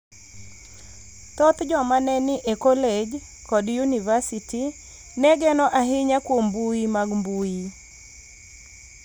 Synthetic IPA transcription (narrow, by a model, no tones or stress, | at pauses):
tɔt̪d͡ʒɔmanɛnɪʔekɔled͡ʒ | kɔdjunivasiti | nɛɡɛnɔʔaɦɪɲakwombuimaɡmbui